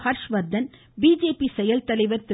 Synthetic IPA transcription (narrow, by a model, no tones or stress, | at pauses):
hɐɾʂʋɐɾd̪ɐn | biːd͡ʒeːpisɛjɐlt̪ɐlɐɪʋɐɾt̪ɪ